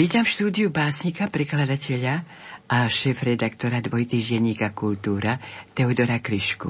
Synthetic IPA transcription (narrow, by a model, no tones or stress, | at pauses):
iːt̪amfʃt̪uːd̪iubaːsɲikapɾɛklad̪acɛʎa | ʔaʃɛːfɾɛd̪ak̚t̪ɔɾad̪ʋɔjt̪iːʒɟɛɲiːkakult̪uːɾat̪ɛud̪ɔɾakɾiʃkṵ